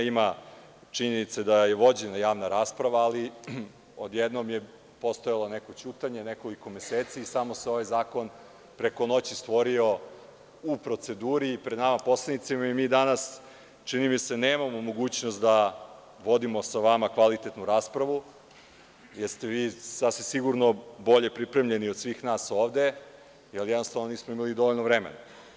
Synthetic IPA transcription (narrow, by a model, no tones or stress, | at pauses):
ima | t͡ʂiɲe̞nit̪sed̪ajeʋod͡ʑenajaːʋnaɾaːspɾaʋaːli | od̪jed̪nomje̞ | po̞st̪ojalˠoneko̞t͡ɕuːt̪aɲe̞neko̞liko̞meseːt̪siːsamo̞seo̞ʋajzaːko̞n | pɾe̞ko̞no̞t͡ɕist̪ʋo̞ɾio̞ | upɾo̞t̪se̞d̪uːɾiːpɾe̞d̪namapo̞slˠanit̪simaimiːd̪anas | t͡ʂinimiseneːmamomo̞ɡuːt͡ɕnost̪d̪a | ʋo̞d̪imo̞saʋamakʋalit̪et̪nuɾaːspɾaʋu | jeɾst̪e̞ʋiːsasʋimsiɡuɾno̞bo̞ʎepɾipɾemʎe̞niod̪sʋiːxnaːso̞ːʋd̪e̞ | jaljɛd̪nost̪aʋnoniːsmoimalid̪o̞ʋo̞ʎnoʋɾemḛna